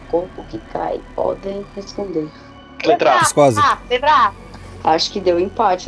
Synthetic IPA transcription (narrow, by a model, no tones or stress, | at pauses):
koɾpʊkɪkʰa̰jpɔ̰d̪ẽj̃hespõnd̪eɾ | lẽt̪ɾavɐskazabebɾa | aʃʊ̥kɪd̪ewĩpat͡ʃɪ